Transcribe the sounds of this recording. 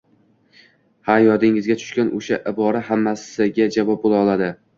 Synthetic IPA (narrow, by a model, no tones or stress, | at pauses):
hajɒd̪ɪŋɪzɡʲat̪ʰʊ̥ʃkʲanʔoʃaʔɪbɒɾahamːasɪɡʲad͡ʒavɒp̚bolˠaɒlˠad̪ɪ